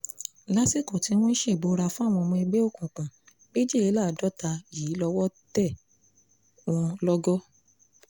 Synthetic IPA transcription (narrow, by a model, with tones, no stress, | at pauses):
la˦si˦˨ko˨ti˧˦w̃ɔ̃˦i˦ʃe˦˨bo˨˦ɾa˧fũ˦a˦˨w̃ɔ̃˧mɔ̃˧i˧ɡ͡be˦o˦˨kũ˨k͡pã˨ | be˦d͡ʒi˦e˨˦la˦˨dɔ˦ta˧jiː˨˦lɔ˧wɔ˦tɛ˦˨ | w̃ɔ̃˧lɔ˦ɡɔ˦